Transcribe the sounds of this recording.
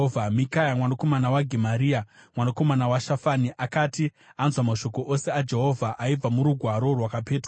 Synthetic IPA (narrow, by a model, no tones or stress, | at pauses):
vamikajamwanako̞manawaɡʱemaɾiːamwanako̞manawaʃafaniʔakaːti | anzwamaʃo̞ko̞ʔose̞ad͡ʒe̞ɦo̞vʱaʔaib͡vamuɾuɡʱwaɾo̞rwakapeːtru